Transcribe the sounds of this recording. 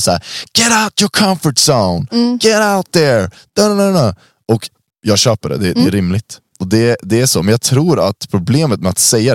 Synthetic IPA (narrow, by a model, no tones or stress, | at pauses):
sa̰ːɾɡ̥ɛɾaʊtjɔkʰʌ̃ɱfəʈsõʊnɡ̥ɛɾaʊt̪̚ðəɹ | d̪̥ononno | ɔk | jɑːɡɕøːpəɖɛ̰d̪ɛd̪ɛːɾɪmlɪt̪ | ɔd̪ɛd̪ɛæʂoːmɛnjɑɡt̪ʰɾuːɾa̰t̪pʰɾʊbleːmət̪̚mɛa̰t̪sɛjːa